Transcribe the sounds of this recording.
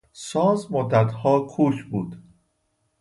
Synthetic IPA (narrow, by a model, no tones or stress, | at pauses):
sɒːzmod̪ːæt̪hɒːkʰuːʃbuːd̪